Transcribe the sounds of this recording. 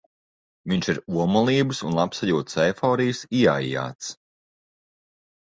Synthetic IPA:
viɲʃiɾuɔmɔlˠiːbɨsunlˠapsaʎuɔt̪sɛjfɔːɾijɨsia̰ija̰ːt̪s

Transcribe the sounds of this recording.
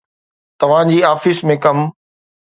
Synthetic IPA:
t̪ɐʋ̤ãːd͡ʑiːaːfɪsmẽkɐm

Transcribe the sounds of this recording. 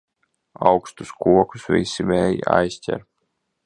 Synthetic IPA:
ɑwkst̪uskuɔkusvʲisimɛːjḭa̰jsʲtʲɛ̰ɾ

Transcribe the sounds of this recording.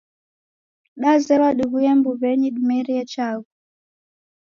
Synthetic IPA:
ɗazɛlaɗiɣujɛmbuβɛɲiɗimɛɾiɛt͡ʃaɣu

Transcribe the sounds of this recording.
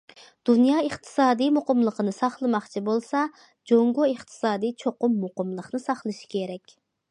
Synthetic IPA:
d̪̥unjɑːeχt̪ʰɨ̥sɑːd̪ijmoqəmlˠəqənɨsɑχlˠəmɑχt͡ʃʰibolˠsɑ | d͡ʒoŋɡoeχt̪ʰɨ̥sɑːd̪ijt͡ʃʰoqʊmːoqəmlˠəqnɨsɑχlˠɨʃi̥kʲʰeɾɛkʲ

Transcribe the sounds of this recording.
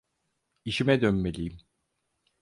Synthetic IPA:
iʃimɛd̪ønmelʲiːim

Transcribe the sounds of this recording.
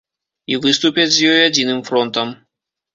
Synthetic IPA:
ivɨst̪upʲɐt͡sʲzʲjɔjad͡zʲinɨmfɾɔnt̪ɐm

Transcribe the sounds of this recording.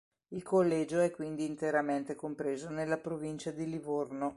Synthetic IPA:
ilkolːɛːd͡ʒoɛkːwind̪iːnt̪eɾament̪ekompɾeːzonelːapɾovint͡ʃad̪ilivorno

